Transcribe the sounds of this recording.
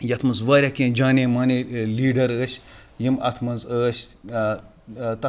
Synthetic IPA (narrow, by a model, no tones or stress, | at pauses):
jɐt̪ʰmɐnzʋaːɾʲakʲẽːd͡ʒaːnʲẽmaːneliːɖɐɾəːsʲ | jimɐt̪ʰmɐnzəːsʲ | t̪ɐ